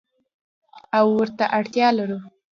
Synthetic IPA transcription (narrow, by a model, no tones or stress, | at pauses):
awːəɾt̪aʔaɽt̪jɑlaɾu